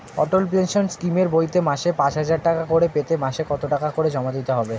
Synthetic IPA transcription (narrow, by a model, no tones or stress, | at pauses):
ɔ̰ʈolpenʃonskimeɾbojt̪emaʃepat͡ɕɦad͡ʑaɾʈakakoɾepet̪emaʃekɔt̪oʈakakoɾed͡ʑɔmad̪it̪eɦɔbe